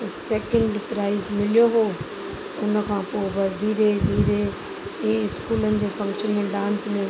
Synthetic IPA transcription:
sɛːkə̃ɳɖpɾaːɪzmɪlijoɦoː | ʊn̆kʰãːpoːɪbɐzd̪ʱiːɾed̪ʱiːɾe | ɛ̃ːɪskuːlənɪ̆d͡ʑeːfɐ̃ŋkʃənmẽɖãːnsmɪ

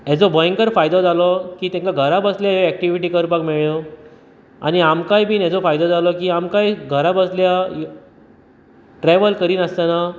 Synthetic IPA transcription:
ɛd͡zɔbəjŋkəɾfajd̪ɔd͡zalɔkiːt̪ɛ̃ŋkaɡʱəɾabəsljajoɛk̚ʈiʋiʈ̬iːkəɾpakmeɭo | a̰niamkajbʱiːnɛd͡zɔfajd̪ɔd͡zalɔkiːamkajɡʱəɾabəsljaj | ʈɾɛʋəlkəɾiːnəst̪ana

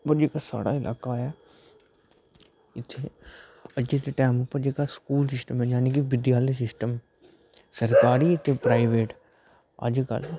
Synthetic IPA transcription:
pəɾd͡ʒeːkaːsa̰ːɽa̰ːɪlʔa̰ːkaːɛː | ɪt̪ʰːeː | əd͡ʒet̪eʈɛːmʊpːəɾd͡ʒeːkaskuːlsɪsʈəmɛd͡ʒaːneːk̬iʋɪd̪jaːləsɪsʈəm | səɾkaːɾiːət̪ʰeːpɾaːɪʋeːʈ | ə̰d͡ʒkə̰l

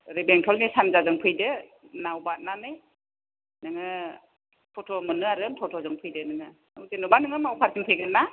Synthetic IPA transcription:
ɾebeŋtʰɔlnisanzazɯŋpʰɯjdɯnawbat̚nanɯj | nɯŋɯ | pʰɔtʰɔmɯnɯaɾɯntʰɔtʰɔzɯŋpʰɯjdɯnɯŋɯ | ɯwzenubanɯŋɯmawpʰaɾsʰiŋpʰɯjɡɯnːa

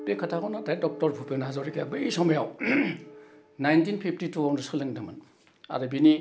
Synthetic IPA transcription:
bekʰatʰakʰawnatajdɔk̚tɔɾpʰupenaɦazawɾikʰejabɯisɔmejaw | najntinpʰipʰtitʰuɦawndusɯlɯŋdɯmɯn | a̰ɾɯbini

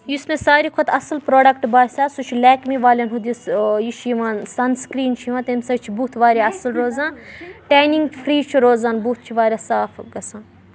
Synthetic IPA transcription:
jusmẽsaːɾikʰot̪ɐslpɾoːɖɐkʈbaːsʲaːsut͡ʃʰilɛːkmiʋaːlʲɐnɦud̪isjiʃjiʋaːnsɐnskɾiːnt͡ʃʰjiʋãt̪ensɐt͡ʃʰibut̪ʰʋaːɾʲaɐslɾoːzãːnʈaːjniŋɡfʰɾiːt͡ʃʰiɾoːzaːnbut̪̚ʰt͡ʃʰiʋaːɾʲasaːfɡɐsãːn

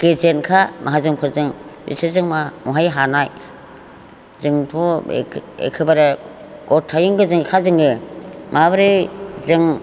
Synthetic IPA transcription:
kezenkʰamʔaɦazɯŋpʰɯɾzɯŋbḭsʰazɯŋmamuɦajɦanaj | zɯŋtʰɔ̰ | ḛkʰɯbaɾa | ɡ̥ɔtʰːajɯŋɡɯzɯŋkʰazɯŋemabɾezɯŋ

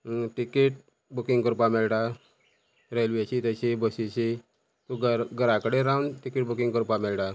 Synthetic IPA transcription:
ʈikiʈ̚ | bukĩŋɡkəɾupamelʈa | ɾelʋeɕit̪əɕibəsiɕi | t̪uɡɡəɾakəɽeɾawnʈikiʈ̚bukĩŋɡkəɾupamelʈa

